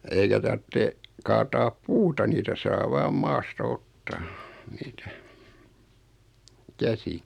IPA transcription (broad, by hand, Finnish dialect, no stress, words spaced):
eikæ tɑrtːe kɑːtɑːp puːtɑ niːtæ sɑː ʋɑːm mɑːstɑ otːɑː niːtæ kæsi